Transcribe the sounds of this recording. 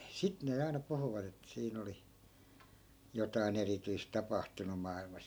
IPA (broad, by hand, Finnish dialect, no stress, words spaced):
sit ne ɑinɑ puhuʋɑt etːæ̆ siːn oli jotɑi̯n erityis tɑpɑhtunu mɑˑilmɑs